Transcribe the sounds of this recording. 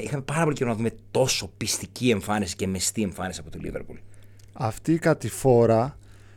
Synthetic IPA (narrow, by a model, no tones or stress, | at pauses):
ixɐme̞pɐɾɐpo̞liceɾonɐðume̞t̪o̞so̞pist̪icie̞ɱfɐnisi̥ce̞mest̪ie̞ɱfɐnisiɐpo̞t̪olḭveɾpṵlɐft̪iːkɐt̪ifo̞ɾɐ